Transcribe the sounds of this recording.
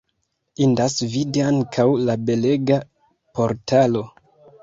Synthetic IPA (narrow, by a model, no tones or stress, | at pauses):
indasvidiaŋkʰawlabe̞le̞ɡa | po̞ɾtalo̞